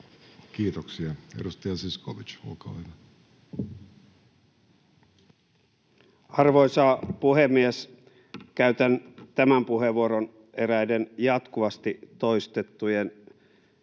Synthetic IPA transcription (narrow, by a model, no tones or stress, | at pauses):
kiːt̪oksiɑedust̪ɑjɑsiskoʋit͡ʃṵkɑʋenɑ | ɑrʋo̞jsɑːpuhemːies | kæyɥt̪ænt̪æmæmpuɦe̞ʋuoɾon | e̞ɾæjdenjɑt̪kuʋɑst̪it̪o̞jst̪et̪ːujen